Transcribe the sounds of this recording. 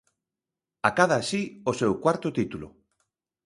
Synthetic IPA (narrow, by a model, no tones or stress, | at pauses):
akaðaːsiosewkwaɾt̪ot̪it̪ulo̰